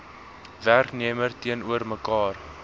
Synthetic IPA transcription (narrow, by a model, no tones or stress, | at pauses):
værkniəmərtiənuərməkɑːr